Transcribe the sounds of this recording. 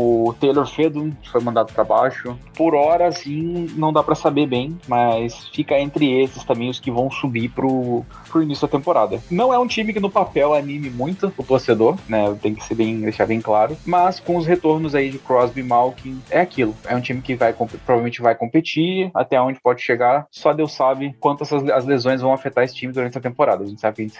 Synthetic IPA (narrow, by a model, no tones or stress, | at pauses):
ʊt̪ejleɾfed̪ũkɪfojmɐ̃nd̪ad̪ʊpɾabajʃʊpoɾɔɾɐsĩnɐ̃w̃d̪apɾɐsabebẽj̃mɐsfikɐẽnt̪ɾɪesɪst̪ɐ̃mbẽj̃ʊskɪvɐ̃w̃subipɾʊ | pɾʊinisjʊd̪ɐt̪ẽmpoɾad̪ɐnɐ̃w̃ɛũt͡ʃĩmɪkɪnʊpapɛwanĩmɪmũj̃t̪ʊʊt̪oɾsed̪oɾnɛt̪ẽj̃kɪ̥seɾbẽj̃d̪eʃaɾbẽj̃klaɾʊmɐskõʊsɦet̪oɾnʊzaid͡ʒɪkɾɔzbimawkĩɛakilʊɛũt͡ʃĩmɪkɪvajkõpɪpɾovavemẽt͡ʃɪvajkõmpet͡ʃia̰t̪ɛõnd͡ʒɪpɔd͡ʒɪʃeɡaɾsɔd̪ewsabɪkwɐ̃nt̪ʊɛsɐzɐzlezõj̃zvɐ̃w̃afet̪aɾesɪ̥t͡ʃĩmɪd̪uɾɐ̃nt͡ʃɪɐt̪ẽpoɾad̪ɐʒẽnt͡ʃɪsabɪkɐʒẽnt͡ʃɪs